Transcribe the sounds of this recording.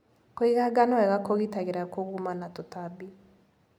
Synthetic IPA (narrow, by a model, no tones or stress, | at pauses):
koiɣaɡanɔɛɣakoɣitaɣeɾakoɣumanatotabi